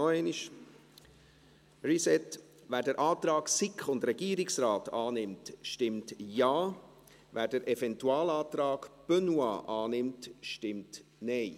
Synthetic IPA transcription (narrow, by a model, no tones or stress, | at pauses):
ɔɛɪniʃ | risɛt | ʋæːɾdəɾʔɑːtɾɑːksɪkχʊndɾɛɡiːɾɪksɾɑːtɑːnɪmtʃtɪmtjɑː | væːɾdəɾʔɛvɛntuɑːlɑːtɾɑːɡb̥œnuɑ̰ːʔɑːnɪmtʃtɪmtnɛɪ